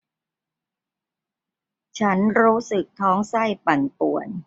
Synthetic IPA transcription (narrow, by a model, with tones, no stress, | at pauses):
t͡ɕʰa˦˥nɾuː˦˥sɯ˨˩k̚t̪ʰɔː˦˥ŋsa˥˩jpa˨˩npu˨˩ən